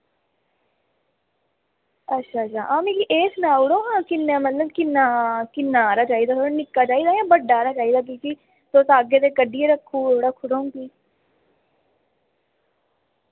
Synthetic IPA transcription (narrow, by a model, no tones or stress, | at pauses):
ətːʃʰaːtt͡ʃʰaːʔaːmĩːkiʔeːsnaːʊɽoːɦãːkɪnːeːmət̪ləbkɪnːaːkɪnːaːɾaːt͡ʃaːiːd̪aːt̪oɽaːnɪkːaːt͡ʃaːiːd̪aːjãːbəɖːaːɾaːt͡ʃaːiːd̪aːk̬iːki | t̪oːsaːɡeːt̪eːkəɖiːeːɾəkʰːũːoːɽaːkʰʊɽõkiː